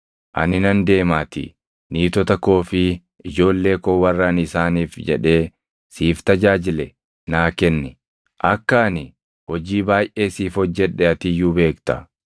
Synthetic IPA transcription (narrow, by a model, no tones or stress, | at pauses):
ʔɐ̰nɪnɐnd̪e̞ːmaːt̪ɪ̰ | niːt̪ɔt̪ɐkːo̞ːfɪ | ɪd͡ʒo̞ːlːe̞ːkoːwɐrːɐnɪsaːniːfd͡ʒɛ̰ᶑe̞ː | siːft̪ɐd͡ʒaːd͡ʒɪlɛ | naːkɛnːɪ | ʔɐkːɐnɪ | hɔd͡ʒiːbaːjʔe̞ːsiːfhɔd͡ʒːɛᶑːɛɐt̪ɪjːuːbe̞ːkt̪ɐ